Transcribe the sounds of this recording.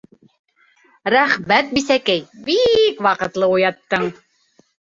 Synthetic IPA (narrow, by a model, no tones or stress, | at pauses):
ɾæχmæt̪̚bisækæjbikwɑqɤ̆t̪lˠɤujɑt̪ːɤɴ